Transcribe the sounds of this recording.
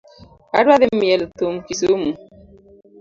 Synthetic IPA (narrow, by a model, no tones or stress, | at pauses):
a̰ɾwaðemːiɛlt̪omkisomu